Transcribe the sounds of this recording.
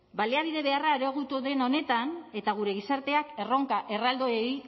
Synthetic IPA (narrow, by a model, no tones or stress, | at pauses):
baliaβiðe̞βe̞araeɾe̞ɣut̪uðe̞no̞ne̞t̪ane̞t̪aɣ̞uɾe̞ɣ̞isaɾt̪e̞ake̞ro̞ŋkaʔe̞rald̪oej